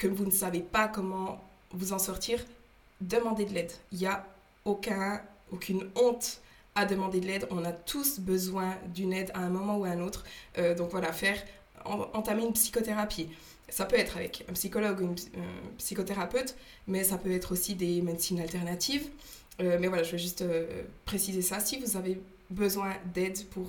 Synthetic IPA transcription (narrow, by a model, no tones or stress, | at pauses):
kɔmvunəsavepakɔmɑ̃ | vuzɑ̃sɔʁt̪ʰiːʁ | d̪əmɑ̃d̪ed̪əlɛd̪ilja | okʲɛ̃okʰʲynɔ̃t̪ | ad̪əmɑ̃d̪ed̪əlɛd̪ʁɔ̃nat̪ʰusbəzwɛ̃d̪ynɛd̪aɛ̃mɔmɑ̃uaɛ̃not̪χød̪ɔ̃kvwalafɛʁ | ɑ̰̃ɑ̃t̪ameynpsi̥kɔt̪eʁapʰi | sapøɛt̪χavɛ̰kɛ̃psikɔlɔɡuɛ̃nɛ̰̃psikot̪eʁapøt̪ | mɛsapøɛt̪χosid̪emed̪siːnalt̪ɛʁnat̪ʰiv | ømɛvwalaʒəveʒyst̪ø̰pχesizesasivuzave | bəzwɛ̃d̪ɛd̪pʰuʁ